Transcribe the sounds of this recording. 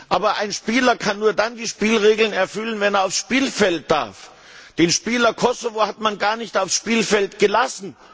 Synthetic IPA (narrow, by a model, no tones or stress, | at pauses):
ʔaːbɐʔaɪnʃpiːlɐkʰanːuːɐdandiːʃpiːlʁeːɡl̩nɛɐfʏlənvɛneɐaʊfsʃpiːlfɛlt̚d̥a̰ɐf | d̥eːnʃpiːlɐkʰɔsovohatmanɡaːɐnɪçtaʊfsʃpiːlfɛltɡ̥əlasn̩